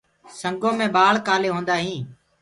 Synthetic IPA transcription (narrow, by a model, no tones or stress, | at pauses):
səŋɡõːmẽːɓaːɭkaːleːɦõːnd̪aːɦĩː